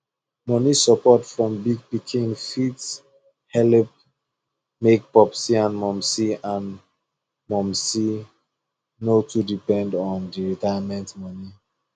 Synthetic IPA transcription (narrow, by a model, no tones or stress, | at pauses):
mɔnisɔpɔtfɹɔ̃mbiɡ̚pikʰĩnfits | hɛlip̚ | mek̚pɔpsiãnmɔ̃msiãn | mɔ̃msi | notʰudipɛ̃ndɔ̃ndiɹitajamɛ̃ntmɔni